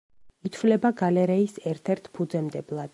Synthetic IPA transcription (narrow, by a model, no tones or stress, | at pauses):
it̪ʰvlɛbaɡalɛɾɛisɛɾt̪ʰɛɾt̪ʰpʰud̪zɛmd̪ɛblˠad̪̥